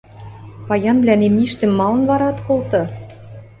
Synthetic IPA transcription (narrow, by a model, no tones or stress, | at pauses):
pɑjɑnblʲænemiʃt̪ɘ̆mːɑlɤ̆nβɑɾɑt̪kolt̪ɤ̆